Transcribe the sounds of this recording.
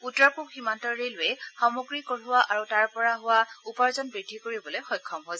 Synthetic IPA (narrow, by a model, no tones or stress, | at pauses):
putɹapukhimantɔɹɹelʊjɛxɔmoɡɹikoɹʊwaʔaɹutaɹpɔɹaɦʊwaupaɹzɔnbɹidʱikoɹibɔlejxɔjkʰːɔmɦɔz